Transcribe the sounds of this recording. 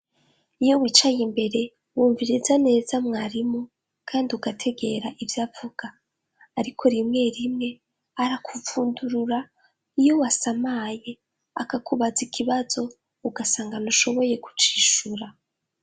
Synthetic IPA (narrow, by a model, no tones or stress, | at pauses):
ijo̞wiːt͡ʃajimbe̞ɾe̞ | wuːɱviɾizane̞ːzamŋaːɾimo | kʰaːndiuɡatʰe̞ɡe̞ɾaʔivjaːvuɡ̥aː | ɾikʰo̞ɾimŋe̞ɾimŋe̞ | aɾakʰufuːnduɾuɾa | ijo̞wasamaje̞ | akakuβazikʰiβazo̞ | uɡasaːŋɡanuʃo̞βo̞je̞ku̥t͡ʃiːʃuɾa